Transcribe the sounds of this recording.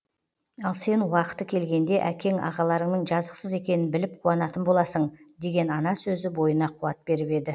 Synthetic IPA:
ɑlˠse̞nwɑqə̥t̪ːəkʲʰe̞lɡʲe̞nd̪e̞ʔækʲe̞ŋɑ̰ʁɑlˠɑɾəɴnəɴʒɑzəqsəze̞kʲe̞nɪnbɪlɪp̚qʰuɑnɑt̪ənbo̞lˠɑsəɴd̪e̞ɡʲe̞nɑnɑsɵzɪbo̞jənɑqʰuɑt̪̚be̞ɾɪpe̞d̪ɪ

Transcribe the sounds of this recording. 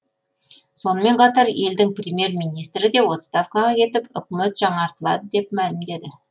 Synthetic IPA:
so̞nəme̞ɴqʰɑt̪ɑɾje̞ld̪ɪŋprʲɪmʲje̞ɾmijnijst̪ɾɪd̪e̞wo̞t̪st̪afkaʁɑkʲʰe̞t̪ɪpʏkʲme̞t̪ʒ̥ɑɴɑɾt̪əlˠɑ̰d̪əd̪e̞pmælɪmd̪e̞d̪ɪ

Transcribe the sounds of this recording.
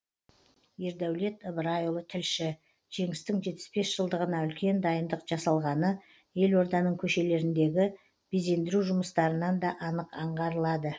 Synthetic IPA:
je̞ɾd̪æwle̞t̪əbɾajolˠət̪ʰɪlʃɪ | ʒ̥e̞ŋɪst̪ɪŋʒe̞t̪pːɪ̥spe̞sʒ̥əlˠd̪əʁənɑʏlkʲe̞nd̪ɑjənd̪əqʒ̥ɑsɑlˠʁɑnə | je̞lo̞ɾd̪ɑnəɴkʲʰɵʃe̞le̞ɾɪnd̪e̞ɡʲɪ | b̥eze̞nd̪ɪɾuʒʊməst̪ɑɾənɑnd̪ɑʔɑnəqɑɴʁɑɾəlˠɑd̪ə

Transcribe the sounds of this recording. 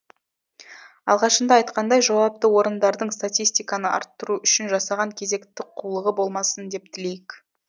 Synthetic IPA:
ɑ̰lˠʁɑʃənd̪ɑːɑjt̪qɑnd̪ɑjʒɑwɑp̚t̪əwo̞ɾənd̪ɑɾd̪əɴst̪at̪ʲijst̪ijkɑnəʔɑ̰ɾt̪ːəɾuʔʏʃɪnʒɑsɑʁɑŋkʲʰe̞ze̞kt̪ɪqʰulˠəʁəbo̞lˠmɑsənd̪e̞p̚t̪ʰɪle̞jɪk

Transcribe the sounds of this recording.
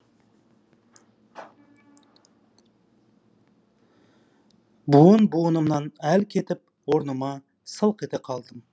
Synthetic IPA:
buənbuənəmnɑnælkʲʰe̞t̪ɪp̚ | woɾnəmɑ | səlˠqe̞t̪eqʰɑlˠd̪əm

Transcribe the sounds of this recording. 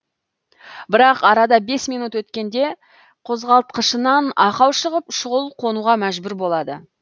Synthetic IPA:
bɪɾɑqɑɾɑd̪ɑbe̞smijnut̪wɵt̪kʲe̞nd̪e̞ | qʰo̞zʁɑlˠt̪̚qəʃənɑnɑqɑwʃəʁəpʃʊʁəlˠqʰo̞nuʁɑmæʒbʏɾbo̞lˠɑd̪ə̰

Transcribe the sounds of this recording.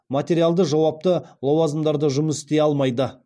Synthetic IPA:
mat̪ʲe̞ɾialˠd̪əʒɑwɑp̚t̪əlˠowɑzəmd̪ɑɾd̪əʒʊməsɪ̥st̪e̞ɑlˠmɑjd̪ə

